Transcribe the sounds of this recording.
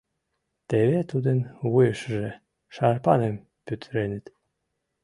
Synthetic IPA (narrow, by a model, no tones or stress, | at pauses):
t̪eβet̪ud̪enβujəʃʒe | ʃɑrpɑnem | pyt̪ɾenet̪